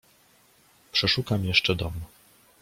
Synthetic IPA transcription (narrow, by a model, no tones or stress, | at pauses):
pʂɛʂukamjɛʂt͡ʂɛd̪ɔm